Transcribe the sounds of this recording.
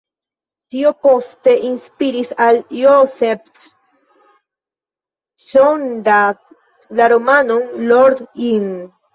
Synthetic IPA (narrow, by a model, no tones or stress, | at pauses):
t̪iopost̪eʔinspiɾisaljosef | ʃondak | laɾomanonloɾd̪iŋ